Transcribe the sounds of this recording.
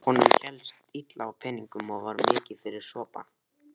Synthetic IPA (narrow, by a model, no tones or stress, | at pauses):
hɔnʏmçɛlsḁt̪it̪lawpʰɛnːiŋkʏmɔɣvaɾmɪːcɪ̥fɪɾɪɾ̥sɔːpa̰